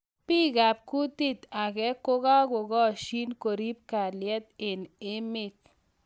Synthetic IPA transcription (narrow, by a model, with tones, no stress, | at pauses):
pi˦ɡa˨p̚ku˦t̪i˦t̪a˨ɡɛ˦kʊ˦ɡa˦ɡʊ˨ɡɔ˦ʃi˦nko˨ɾi˦p̚ka˨ljɛ˦t̪̚ɪ˨nɪ˦mɪ˦k̚